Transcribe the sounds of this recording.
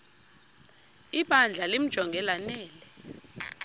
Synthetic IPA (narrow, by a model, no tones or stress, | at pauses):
iɓʱand͡ɮʱalim̩d̥ʒ̥ʱɔŋɡʱɛlanɛːlɛ